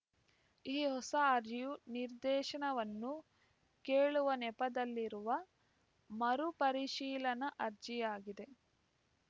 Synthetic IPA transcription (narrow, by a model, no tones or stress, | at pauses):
iːhɔsɐːɾd͡ʒijuniɾd̪ɛːʃɐɳɐʋɐnːu | keːɭuʋɐnɛpɐd̪ɐlːiɾuʋɐ | mɐɾupɐɾiʃiːlɐnɐʔɐɾd͡ʒijaːɡid̪e̞